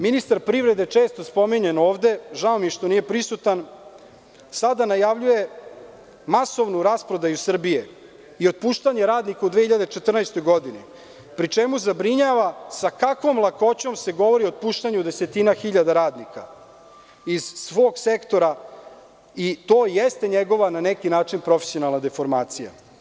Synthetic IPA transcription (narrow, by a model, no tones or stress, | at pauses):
minist̪aɾpɾivɾe̞d̪et͡ʂe̞ːst̪ospo̞miɲeno̞ːʋd̪e̞ʒaomiʃt̪o̞nije̞pɾisut̪an | sad̪anajaʋʎuje̞ | maso̞ʋnuɾaspɾo̞d̪ajusr̩bije | io̞d̪̚puːʃt̪aɲe̞ɾaːd̪nikaud̪ʋeçiʎad̪et͡ʃe̞t̪r̩najst̪o̞jɡo̞d̪ini | pɾit͡ʂemuzabɾiɲaːʋasakakʋomlˠako̞t͡ɕo̞mse̞ɡo̞ʋo̞ɾiod̪̚puːʃt̪aɲud̪e̞se̞t̪inaxiʎad̪aɾaːd̪nika | iz̥sʋo̞ːɡse̞kt̪o̞ɾa | it̪o̞ːjest̪e̞ɲeɡo̞ʋananekinaːt͡ʂinpɾo̞fesijo̞nalˠnad̪e̞fo̞ɾmaːt̪sija̰